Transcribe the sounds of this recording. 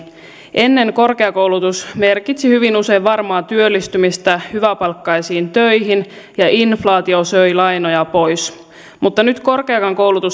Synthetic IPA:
ʔe̞nːe̞ŋko̞rkeɑkowlut̪usme̞rkit̪sihyʋinuse̞jʋʋɑrmɑːt̪yølːist̪ymist̪æhyʋæpɑlkːɑjsiːnt̪øjɦin | jɑʔinflɑːt̪iosøjlɑjnojɑpo̞js | mut̪ːɑnyt̪ko̞rkeːkɑŋko̞wlut̪us

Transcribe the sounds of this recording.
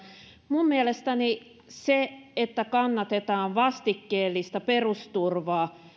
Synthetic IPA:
mumːielest̪æni | seet̪ːækɑnːɑt̪et̪ɑːʋʋɑst̪ikːeːlːist̪ɑperust̪urʋɑː

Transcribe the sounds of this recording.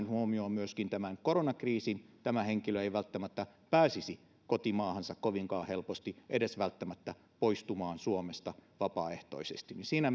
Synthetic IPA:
nhuomioːmyøskint̪æmænkoronɑkriːsint̪æmæheŋkiløeiʋælt̪ːæmæt̪ːæpæːsisi | kot̪imɑːhɑnsɑkkoʋiŋkɑːhelpost̪iʔedesʋælt̪ːæmæt̪ːæ | poist̪umɑːnsuomest̪ɑʋɑpɑ̰ːeht̪o̰isḛst̪ininsiːnæ

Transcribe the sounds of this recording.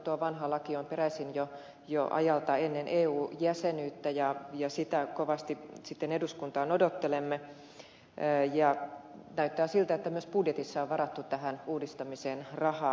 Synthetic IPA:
t̪uoʋɑnɦɑlɑkiompeɾæsinjo | jo̰ʔɑ̰jɑlt̪ɑenːenʔeːuːjæsenyːt̪ːæjɑjɑsit̪ækoʋɑst̪isit̪ːeneduskunt̪ɑːnodot̪ːelemːe | jɑnæyt̪ːæːsilt̪æet̪ːæmyøspudjet̪isːɑoʋʋɑrɑt̪ːut̪æhænuːdist̪ɑmiseːnrɑhɑː

